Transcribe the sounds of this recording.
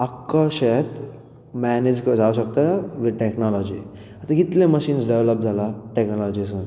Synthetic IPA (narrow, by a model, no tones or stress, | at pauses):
əkːaʃet̪ | mɛned͡ʑkəd͡zauɕəkt̪aʋiʈeknɔlɔd͡ʑiː | at̪ãkit̪lẽməɕiːnsɖeʋləp̚d͡zʱalaʈeknɔlɔd͡ʑis̬un